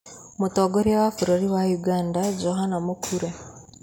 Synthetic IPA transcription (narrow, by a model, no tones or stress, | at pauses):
motoːɡoɾiawafuɾoɾiwajuɡaːndad͡ʒoɦanamokʰuɾe